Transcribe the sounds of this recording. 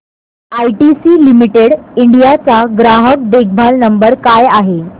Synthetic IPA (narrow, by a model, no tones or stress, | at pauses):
ajʈisiːlimiʈeɽiɳɖijat͡saɡɾaɦək̚ɖ̪ek̚bʱalnəmbəɾkajaɦe